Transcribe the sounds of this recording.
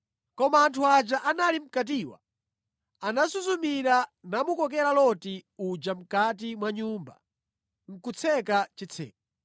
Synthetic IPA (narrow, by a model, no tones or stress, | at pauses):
kɔmaːntʰuad͡ʒaʔanalim̩kat̬iːwa̰ | anasuzumiɾanamukɔkɛɾalɔtiud͡ʒam̩kat̬imwaɲuːmba̰ | ŋ̩kut͡sʰɛkat͡ʃit͡sʰɛ̰ːka